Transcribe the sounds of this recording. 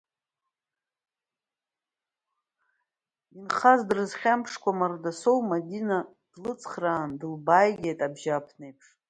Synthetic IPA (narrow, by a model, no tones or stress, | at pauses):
inχazdrɨzχʲampʰʂkʷʰamardasowmadʲina | d̥lɨt͡sʰʼχraːndɨlbajɡʲatʼabʒapʰnejpʰʂ